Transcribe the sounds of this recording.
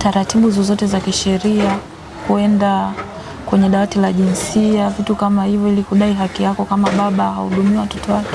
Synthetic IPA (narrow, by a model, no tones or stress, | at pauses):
taɾatiɓuzɔzɔtɛzakiʃɛɾia | kuɛnda | kwɛɲɛɗawatilaʄinsiavitukamahivjɔilikuɗaiɦakijakɔkamaɓaɓaha̰ṵɗumiwaatɔ̥tɔali